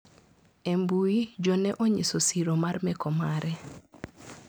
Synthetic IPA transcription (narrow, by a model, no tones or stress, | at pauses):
embuid͡ʒɔnɛʔoɲisosiɾomarmɛkɔmaɾɛ